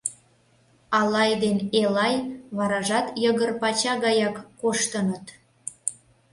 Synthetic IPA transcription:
ɑlˠɑjd̪enelɑjβɑɾɑʒɑt̪jəɣərpɑt͡ɕɑɣɑjɑkːoʃt̪ənət̪

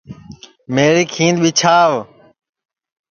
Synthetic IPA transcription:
meːɾiːkʰĩːnd̪ɓit͡ʃʰaːʋ

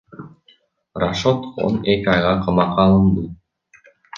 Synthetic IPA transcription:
raʃo̞t̪o̞̰nekʲiɑjʁɑqʰɑmɑqɑːlˠɯnd̪ɯ

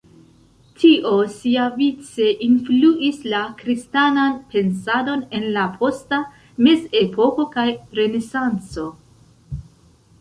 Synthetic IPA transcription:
tʰiʔo̞siavit͡se̞ʔinfluʔislakɾistananpe̞nsado̞ne̞nlapʰo̞sta | me̞ze̞pʰo̞ko̞kajɾe̞ne̞sant͡so̞

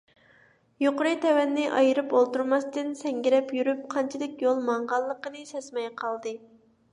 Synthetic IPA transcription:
joqʊɾɨjt̪ʰɛwɛnːɪʔɑjɨɾɨpolˠt̪uɾmɑst̪ɨnsɛŋɡʲiɾɛpjyɾyp̚qʰɑnt͡ʃʰid̪ɪkʲjolˠmɑɴʁɑlˠːəqənɨsɛsmɛjqʰɑlˠd̪ɨ

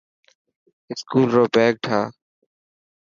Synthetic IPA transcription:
ɪskuːlɾoːbɛːk̚ʈʰaː

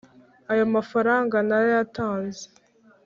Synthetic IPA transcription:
ajomafaɾaːŋɡanaɾajataːnze

